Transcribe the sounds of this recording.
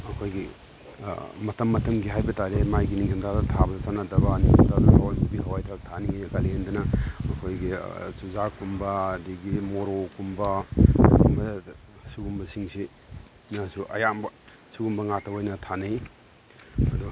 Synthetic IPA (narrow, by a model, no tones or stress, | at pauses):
ɐkʰojɡi | mɐtʰɐmːɐtʰɐmɡiɦajbɐtʰaɾemajɡiniŋhʰɐmdadɐtʰabɐdɐsanadɐbaniŋhɐmdaduhawajkubiɦɐwajtʰɾak̚tʰaniŋajɐkalendɐnɐɐkʰojɡisuzakumbɐdiɡimoɾokumbɐ | umbɐ | suɡumbɐsiŋsi | nasuʔɐ̰jambɐ | suɡumbɐŋak̚tʰɐbojnɐtʰanaj | ɐdu